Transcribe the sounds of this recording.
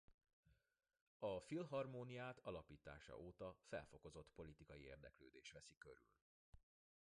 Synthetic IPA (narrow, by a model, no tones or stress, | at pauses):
ɒfilɦɒrmoːnijaːt̪ʰɒlɒpiːt̪a̰ːʃɒ̰ʔoːt̪ɒfɛ̰lfo̞ko̞zo̞t̪ːpo̞lit̪ikɒjiḛːrd̪ɛkløːd̪eːʃʋɛsikø̞̰ɾy̰l